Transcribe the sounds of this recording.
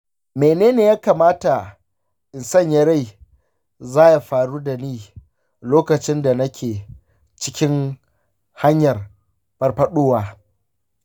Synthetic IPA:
meː˨neː˦neː˨jaː˦kaː˨maː˦ta˨ | ʔɪ˨nsɐ˦˨ɲjɐ˦ɾa˦˨j | zaː˦ja˨ɸaː˨ɽuː˦da˨niː˦˨ | loː˦kɐ˨t͡ʃɪ˦nda˨nɐ˦kʲʰeː˨ | t͡ʃɪ˦kʲɪ˦ŋ | ha˦ɲjɐ˨r | bɐ˨rɸɐ˦ɗoː˦waː˨

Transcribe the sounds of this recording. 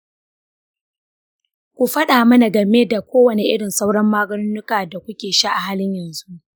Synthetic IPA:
kʷu˨ɸɐ˦ɗaː˨mɐ˦na˨ɡɐ˨meː˦da˨kʷʰoː˦wɐ˨ne˨ʔɪ˦ɽɪ˨nsa˦wɽɐ˦mːaː˦ɡɐ˦nʊ˦nʊ˦kaː˨da˨kʷʊ˦kʲeː˨ʃa˦ʔa˨ɦaː˦lɪ˦ɲjɐ˨nzu˦ʔ

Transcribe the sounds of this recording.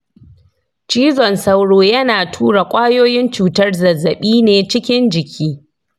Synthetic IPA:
t͡ʃiː˦zɔ˨nsa˦wɽoː˨jɐ˦naː˨tʰuː˦ɽa˨kʷʼaː˦joː˦jɪ˦nt͡ʃuː˨tɐ˦rzɐ˨zːɐ˨ɓiː˦neː˨t͡ʃɪ˦kʲɪ˦nd͡ʒɪ˨kʲʰiː˦

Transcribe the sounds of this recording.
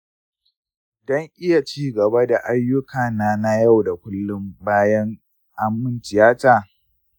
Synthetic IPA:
dɔ˦ŋʔɪ˦ja˨t͡ʃiː˦ɡɐ˨ba˦da˨ʔa˦jːʊ˦kaː˨naː˦na˦ja˦˨wda˨kʷʊ˦lːʊ˦mbaː˦jɐ˦ŋ | ʔa˦mːʊ˦nt͡ʃɪ˨jaː˦taː˨

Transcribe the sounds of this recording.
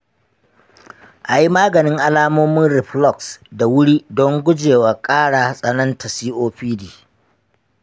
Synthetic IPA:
ʔa˨ji˦maː˦ɡɐ˨nɪ˦ŋʔa˦laː˦moː˦mɪ˦nɾɪ˨ɸlɔ˦˨ksda˨wʊ˦ɽi˦dɔ˦ŋɡʷʊ˦d͡ʒeː˨waː˨kʼaː˦ɽaː˨sʼɐ˨nɐ˦ntɐ˨siː˦ʔoː˦ɸiː˦diː˨

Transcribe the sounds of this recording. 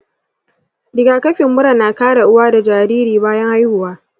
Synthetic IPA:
dɪ˨ɡaː˨kɐ˦ɸɪ˨mːʊ˦ɽɐ˨nːaː˨kaː˦ɽa˨ʔʊ˦waː˦da˨d͡ʒaː˨ɾiː˦ɾiː˨baː˦jɐ˦ŋha˦jhʊ˨waː˦

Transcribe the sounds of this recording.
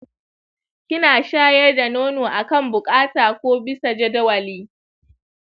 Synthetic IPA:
kʲɪ˦naː˨ʃaː˦jɛ˦rda˨noː˦noː˨ʔa˨kɐ˦˨mbʊ˨kʼaː˦taː˨kʷoː˦bɪ˦sa˨d͡ʒɐ˦dɐ˦wɐ˨liː˦

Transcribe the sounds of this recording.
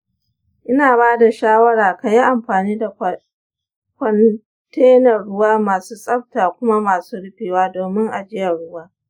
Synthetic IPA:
ʔɪ˦naː˨baː˦da˨ʃaː˦wɐ˦ɽaː˨ka˨ji˦ʔa˨mɸaː˨niː˦da˨ | kʷɐ˨n | teː˦nɐ˨ɽʊ˦waː˦maː˨suː˦sʼɐ˦ɸ̚taː˨kʷʊ˦ma˦maː˨suː˦ɽɪ˦ɸeː˨waː˦doː˨mɪ˦ŋʔa˨d͡ʒɪ˦jɐ˨ɽʊ˦waː˦

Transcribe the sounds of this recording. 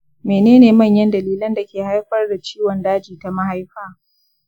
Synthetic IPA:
meː˨neː˦neː˨mɐ˦˨ɲjɐ˦ndɐ˨liː˦lɐ˦nda˨kʲeː˨ha˦jɸɐ˦rda˨t͡ʃiː˦wɔ˨ndaː˦d͡ʒiː˨ta˨ma˦ha˦jɸaː˦

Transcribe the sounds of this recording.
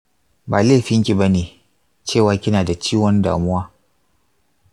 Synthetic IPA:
baː˨leː˦˨ɸɪ˦ŋkʲi˨ba˦neː˨ | t͡ʃeː˦˨waː˦kʲɪ˦naː˨da˨t͡ʃiː˦wɔ˦nda̰ː˨mʊ˦waː˦

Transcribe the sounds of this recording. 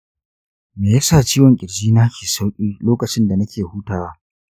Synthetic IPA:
meː˨jaː˦saː˦˨t͡ʃiː˦wɔ˨ŋkʲʼɪ˨ɽd͡ʒiː˦naː˦kʲiː˨sa˦wʔʲʼiː˦loː˦kɐ˨t͡ʃɪ˦nda˨nɐ˦kʲʰeː˨huː˦taː˨wa˦

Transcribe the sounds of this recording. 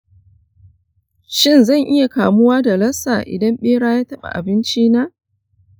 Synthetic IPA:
ʃɪ˦˨nzɐ˦˨ŋʔɪ˦ja˨kaː˨mʊ˦waː˦da˨lɐ˦saː˨ʔɪ̰˨dɐ˦mɓeː˦ɽaː˦jaː˦tɐ˦ɓa̰˨ʔa̰˨bɪ˦nt͡ʃiː˦na˦

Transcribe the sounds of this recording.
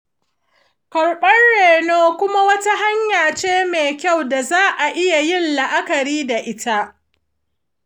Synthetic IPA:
kɐ˨ɽɓɐ˦nɽeː˨noː˦kʷʊ˦ma˦wɐ˦ta˦ɦa˦ɲjaː˨t͡ʃeː˦meː˨kʲa˦˨wda˨zaː˦ʔa˨ʔɪ˦ja˨jɪ˦˨nla˨ʔa˦kɐ˨ɾiː˦da˨ʔɪ˦ta˦ʔ

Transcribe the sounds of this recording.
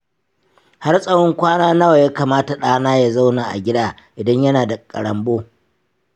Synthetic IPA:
ha˦rsʼɐ˦wɔ˦ŋkʷaː˦naː˦nɐ˦wa˨jaː˦kaː˨maː˦ta˨ɗaː˦naː˦ja˨za˦wnaː˨ʔa̰˨ɡʲɪ˦daː˦ | ʔɪ˨dɐ˦ɲjɐ˦naː˨da˨kʼɐ̰˨ɽɐ˨mboː˦

